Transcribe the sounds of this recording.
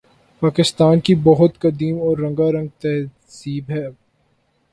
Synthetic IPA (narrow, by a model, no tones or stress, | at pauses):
paːkɪst̪aːnkibɐɦʊt̪kɐd̪iːmɔːɾːɐ̃ŋɡaɾɐ̃ŋɡ̚t̪ɛɦ | siːbɦɛː